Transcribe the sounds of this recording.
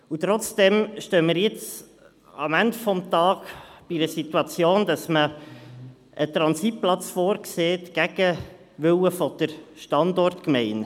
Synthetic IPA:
ut̪ɾɔt͡sd̥ɛmʃtøːmiːɾjɪt͡s | ɑmændfɔmt̪ɑːkb̥iɾəsituɑt͡sjoːnd̥ɑsmə | ʔət̪ɾɑnsit̚plɑt͡sfoːɾkseːtɡ̥æɡ̥ə | ʋʏwəfɔd̪̥əɾʃtɑndɔrtkmɛɪn

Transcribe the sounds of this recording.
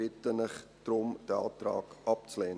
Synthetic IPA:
ɪtənəχtrɔmdəɑ̰ːt̪rɑ̰ːkɑp̚t͡slɛn

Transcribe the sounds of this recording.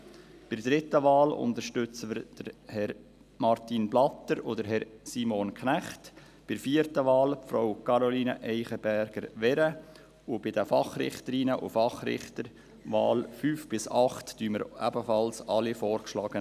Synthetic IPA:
b̥ɪrdɾɪtəʋɑːlʊ̰nd̪əʃtʏt͡səməɾd̥əɾhɛɾ | mɑɾtinblɑt̪əɾʊdəɾɦɛɾsiːmɔnkχnæχt | b̥ɪɾfiəɾtəʋɑːlpfɾoʊkʰɑɾɔliːnə̰ʔɛɪχəb̥æɾɡ̥əɾʋɛɾə | ʊb̥ɪd̥əfɑχɾɪ̰χtəɾinəʔʊ̰fɑχɾɪ̰χtəɾ | ʋɑ̰ːlfyːfb̥ɪsɑχtd̥yːməɾæbəfɑlsɑlifɔːɾkʃlɑːɡ̥ə

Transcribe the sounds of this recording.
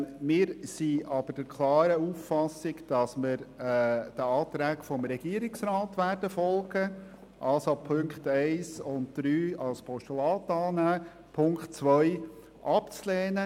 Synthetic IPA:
mɪːɾsiɑb̥əd̥əɾkʰlɑːɾəuːfːɑsɪkd̥ɑsməɾ | d̥əɑːtɾæːkfɔmɾɛɡ̥iəɾɪksɾɑːtʋæːɾd̥əfɔlˠɡ̥ə | ʔɑlsopʰʏŋktɛɪsʊnt̚d̪̥ɾyːɑlspʰɔʃtulɑːtɑːnæː | pʰʊŋkχtt͡sʋœʏ | ʔɑpt͡slɛːnə

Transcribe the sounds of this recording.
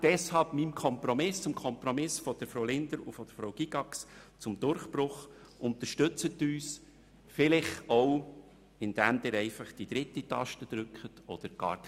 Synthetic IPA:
d̥ɛshɑlb̥mimkʰɔmpɾɔmɪst͡sʊmkʰɔmpɾɔmɪsfɔd̥əɾfɾɔwlɪnd̪əɾʊ̰fɔd̥̪əɾfɾɔwɡ̥iɡɑkst͡sʊmd̥̪ʊɾχpɾʊχ | ʊnt̪əɾʃtɵt͡sət̪ːyːs | fɪlɪχɔw | ɪnd̪̥æmd̥̪ɪːɾɛɪfɑχd̥id̪ɾɪtːitɑ̰ʃtəd̥̪ɾʏkχətɔd̥̪əɾɡ̥ɑ̰ːɾ

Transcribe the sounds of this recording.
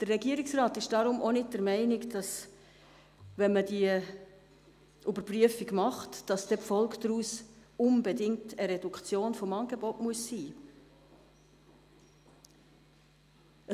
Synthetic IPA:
d̥ərːɛɡiːəɾɪksrɑːtɪʃd̥ɑɾʊmʔonɪt̚d̥əɾmɛɪnɪkd̥ɑs | vɛnmədiə | ʔybəɾpryəfiɡmɑχtd̥ɑsd̥ɛpfɔlˠkdɾuːsʊnbedɪŋtʰəɾɛdukt͡sjoːnfɔmɑnɡebɔtmuəsːiː | ə

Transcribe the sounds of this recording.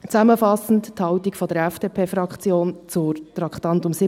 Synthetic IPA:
t͡sæməfɑsn̩tthɑwtikfɔd̪əɾɛfd̥eːpʰeːfɾɑkχt͡sjoːnt͡sʊt̪ɾɑkχt̪ɑntʊmsɪ

